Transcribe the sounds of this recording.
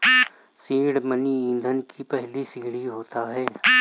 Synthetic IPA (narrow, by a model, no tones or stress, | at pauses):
sĩːɽməniĩːnd̪ʱənkʰipɛɦlisiːɽiɦoːt̪aɦɛː